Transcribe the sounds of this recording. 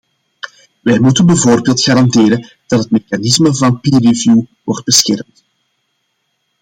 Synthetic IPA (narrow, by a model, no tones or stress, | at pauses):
ʋɛjmutənbəvoːrbeːlˠtxaːɾɑndeːɾən | d̥ɑtɦətmexanɪsməvɑnpiːrivjuwɔrd̚bəsxɛrmt